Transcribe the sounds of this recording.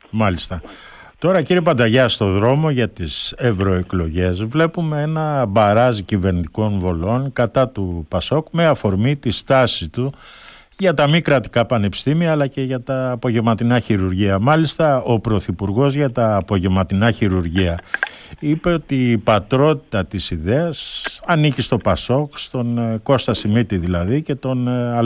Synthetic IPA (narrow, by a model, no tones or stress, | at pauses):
mɐlist̪ɐ | t̪o̞ɾɐciɾiepɐnd̪ɐʝɐst̪o̞ðɾo̞mo̞ʝɐt̪ise̞vɾo̞e̞klo̞ʝe̞zvle̞pume̞e̞nɐbɐɾɐzicive̞ɾnit̪i̥ko̞nvo̞lo̞nkɐt̪ɐt̪upɐso̞kme̞ɐfo̞ɾmit̪ist̪ɐsit̪u | ʝɐt̪ɐmikɾɐt̪i̥kɐpɐne̞pi̥st̪imiɐːlɐce̞ʝɐt̪ɐːpo̞ʝevmɐt̪inɐçiɾuɾʝiɐmɐlist̪ɐo̞pɾo̞θipuɾɣo̞zʝɐt̪ɐːpo̞ʝe̞vmɐt̪inɐçiɾuɾʝiɐ | ipe̞ot̪iːpɐt̪ɾo̞t̪i̥t̪ɐt̪isiðeɐsɐnicist̪o̞pɐso̞kst̪o̞nko̞st̪ɐsimit̪iðilɐðice̞t̪o̞nɐl